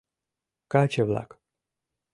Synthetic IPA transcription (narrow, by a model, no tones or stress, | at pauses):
kat͡ʃevla̰k